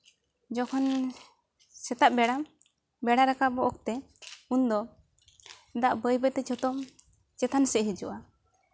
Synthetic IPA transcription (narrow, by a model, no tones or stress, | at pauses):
d͡ʒɔkʰɔn | sɛt̪aʔ̚bɛɽa | bɛɽaɾakabɔʔɔk̚t̪ɛ | und̪ɔ | d̪aʔbəjbɛt̪ɛt͡ʃɔt̪ɔm | t͡ʃɛt̪ʰansɛʔɦɛd͡ʒṵʔa